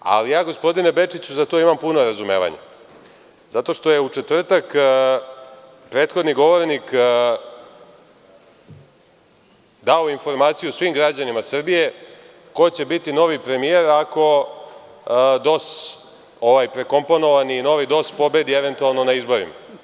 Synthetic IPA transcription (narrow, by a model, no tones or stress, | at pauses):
a̰lijaːɡo̞spo̞d̪inebe̞t͡ʂit͡ɕuzat̪o̞imampuno̞ɾazume̞̰ːʋa̰ɲa̰ | zat̪o̞ʂt̪o̞je̞ut͡ʂe̞t̪vr̩t̪ak | pɾe̞ːt̪xod̪niɡo̞ʋoɾnik | d̪aoinfo̞ɾmaːt̪sijusʋimɡɾad͡ʑanimasr̩bije̞ | ko̞t͡ɕe̞bit̪ino̞ʋipɾe̞mije̞ɾako̞ | d̪o̞s | oʋajpɾe̞ko̞mpo̞no̞ʋaniːno̞ʋid̪o̞spo̞be̞d̪ie̞ʋe̞nt̪ualˠno̞naizbo̞ɾḭma̰